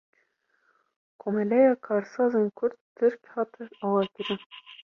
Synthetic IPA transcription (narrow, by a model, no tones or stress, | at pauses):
kʰomɛlɛjɑːkʰɑːɾsɑːzenkʰʊɾd̪̚tʰːɨɾkʲhɑːt̪ʰɨnɑːwɑːkɪɾɪn